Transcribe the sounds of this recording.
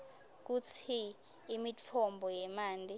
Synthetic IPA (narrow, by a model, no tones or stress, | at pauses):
k̬ut͡sʰiː | mit͡fʰɔmbʱɔjɛmaːnd͡ɮʱi